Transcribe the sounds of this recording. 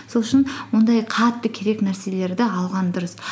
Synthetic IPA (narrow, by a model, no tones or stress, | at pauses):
so̞lˠʃənwond̪ɑjqʰɑt̪ːəkʲʰe̞ɾe̞knæɾse̞le̞ɾd̪ɪɑlˠʁɑnd̪ʊɾəs